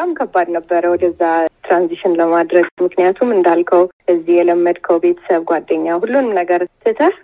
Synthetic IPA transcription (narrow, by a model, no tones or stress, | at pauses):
amkʰəbːad̪nəbːəɾəwɔd̪əzːat̪ɾanziʃɪnləmad̪ɾəɡmɨknijat̪ʰumɨnd̪alkʰəwʔɨzːihjɛləmːəd̪kʰəwbe̞t̪ʰə̥səβɡʷad̪ːəɲːahulːunɨmnəɡəɾt̪ʰːɨt̪ʰə